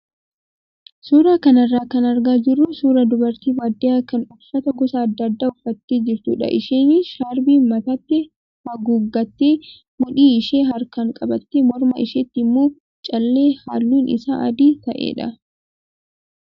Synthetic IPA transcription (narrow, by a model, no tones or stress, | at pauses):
suːɾaːkɐnɐrːaːkɐnɐɾɡaːd͡ʒɪrːʊsuːɾɐd̪ʊbɐɾt̪iːwaːd̪ːɪaːkɐnʊfːɐt̪ɐɡɔsɐːd̪ːɐd̪ːaːʊfːɐt̪ːeːd͡ʒɪɾt̪uːᶑɐ̰ʔɪ̰ʃeːnɪʃaːɾbiːmɐt̪ɐt̪ːɪ | hɐɡuːɡːɐt̪ːeː | mʊᶑiːɪʃeːɦɐɾkɐŋkʼɐbɐt̪ːemɔɾmɐɪʃeːt̪ːmːuː | t͡ʃʼɐlːeːha̰ːlːuːnʔɪ̰sa̰ːʔɐ̰d̪iːt̪ɐʔḛːᶑɐ̰